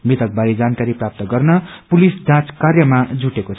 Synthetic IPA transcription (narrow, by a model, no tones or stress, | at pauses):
mit̪ʌk̚baɾid͡zankaɾiprap̚t̪ʌɡʌrnʌpulisd͡zãt͡skarjʌmad͡zuʈekot͡sʰ